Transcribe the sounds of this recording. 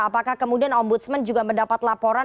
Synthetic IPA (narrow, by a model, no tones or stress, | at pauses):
apakahkəmudianɔmbut̪smənd͡ʒuɡaməndapat̪lapoɾa